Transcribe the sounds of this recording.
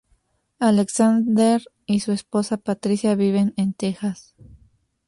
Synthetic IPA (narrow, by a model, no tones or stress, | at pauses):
aleksand̪eɾ | isue̞spo̞sapat̪ɾisjaβiβe̞nent̪e̞xas